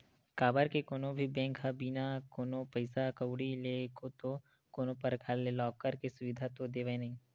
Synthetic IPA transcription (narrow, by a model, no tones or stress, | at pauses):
kaːbəɾkekoːnõbʱibɛ̃ːŋkɦabiːnakoːnopɐɪsakɐwɽileːkot̪o | koːnopɐɾkʰaːlelɔːkːəɾkesʊʋɪd̪ʱat̪od̪eːʋenɐɦĩː